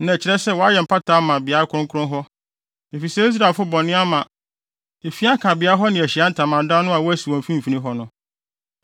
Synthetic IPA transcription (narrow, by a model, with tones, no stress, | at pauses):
nã˨t͡ɕʰɪ˦ɾɛ˦sɛ˦wɔ˨a˦jɛ˨m̩˨pʰa˦tʰaː˨˦mã˨bɪ˨a˦ɾkʰʊ˦ɾʊ̃˦ŋ˦kʰʊ˦ʊ̃˦ɦɔ˦ | e˨fi˨sɛ˦i˦s̬ɾa˨lfʊ˦bɔ̃˨nɪ̃˦a˦mã˨ | e˨fi˦a˦kʰa˨bɪ˨a˦ɦɔ˦nɪ̃˨æ˨ɕi˨a˦n̩˦tʰã˨mã˨n˦dã˦nʊ̃˦a˨wɔ˦æ˦si˨wɔ̃˨m̩˨fĩ˦m̩˨fi˨nĩ˦ɦɔ˦nʊ̃˦